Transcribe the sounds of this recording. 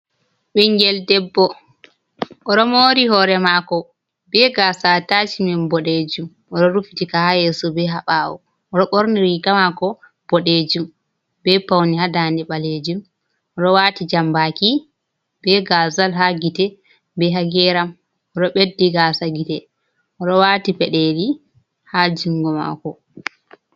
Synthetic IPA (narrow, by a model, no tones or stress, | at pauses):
ɓɛŋɡɛldɛbːɔ | ɔɗɔmɔɾihɔɾɛmakɔ | bɛɡasatat͡ʃimɛnbɔɗed͡ʒum | ɔɗɔɾufitikahajɛsɔbɛɦaɓaːwɔ | ɔɗɔɓoɾniɾikamakɔ | b̥ɔɗed͡ʒum | bɛpawnihadandɛɓaled͡ʒum | ɔɗɔwaːtid͡ʒambaki | bɛɡazalɦaɡitɛ | bɛɦaɡɛɾam | ɔɗɔɓedːiɡasaɡitɛ | ʔɔɗɔwaːtipɛɗɛli | had͡ʒiŋɡɔma̰kɔ